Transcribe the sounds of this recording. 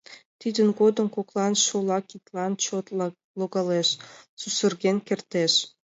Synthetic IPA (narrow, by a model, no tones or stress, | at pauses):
t̪id̪ənɡod̪ə̆mkoklɑnʃolɑkit̪lɑnt͡ɕot̪ | loɣɑleʃsusə̆rɣenkert̪eʃ